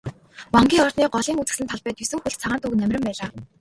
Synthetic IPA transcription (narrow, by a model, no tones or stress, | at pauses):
waŋɡʲiːŋɔrt̪niːɢɔɮiːŋut͡sɘ̥̆ksɘ̆nt̪ʰɔɮpæːt̪ʰɵsɘ̆ŋxuɮtt͡sʰaʁaːnt̪uknæmʲrʲɪ̆mpæːɮaː